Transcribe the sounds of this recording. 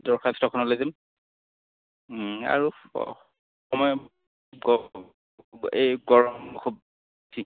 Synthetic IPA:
dɔɹkʰastɹɔkʰɔnɔlojzɛm | a̰ɹṵ | xɔmɔjɔ | ɡɔ | ejɡɔɹɔmkʰub̚ | tʰi

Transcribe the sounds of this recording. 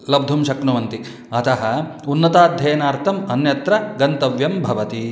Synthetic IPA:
lɐb̚d̪ʱumʃɐknuʋɐnt̪i | ɐt̪ɐɦɐ̆unːɐt̪aːd̪ʱjɐjɐnaːɾt̪ʰɐmɐnjɐt̪ɾɐɡɐnt̪ɐʋjɐmbʱɐʋɐt̪i

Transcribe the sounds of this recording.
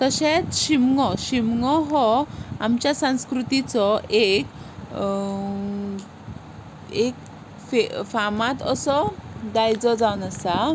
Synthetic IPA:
k̪əɕet͡sɕimŋɔɕimŋɔɦɔamt͡ɕjasãw̃skɾut̪it͡sɔʔek | ek | fefamat̪əsɔd̪ajd͡zɔd͡zawnəsa

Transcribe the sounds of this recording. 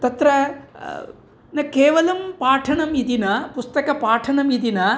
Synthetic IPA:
t̪ɐt̪ɾɐ | nɐkeːʋɐlɐmpaːʈʰɐɳɐmid̪inɐpust̪ɐkɐpaːʈʰɐnɐmid̪inɐ

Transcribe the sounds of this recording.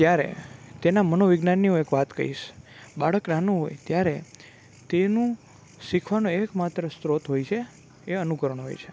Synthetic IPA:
t̪jaɾḛt̪enamənoʋɪɡnanːiõekʋat̪kə̰ɾḭʃbaɭəknanũɦo̰jt̪jaɾe | t̪enũ | sikʰʋanõekmat̪ɾəst̪ɾot̪ɦojt͡ʃʰe | eənukəɾəɳ̃ɦo̰jt͡ʃʰe̥

